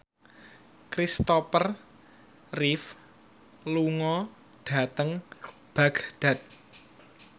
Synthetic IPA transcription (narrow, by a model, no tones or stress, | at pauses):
kɾist̪opər | rif | luŋɔ | ɖ̥ä̤t̪əŋ | b̥aɡ̥ɖ̥a̤t̪̚